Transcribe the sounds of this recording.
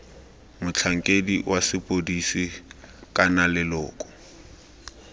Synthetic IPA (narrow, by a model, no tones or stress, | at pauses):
mʊt͡ɬʰaŋ̩kʼediwʔasɪpʼodisikʼanalɪlɔ̰ːkʼɔ̥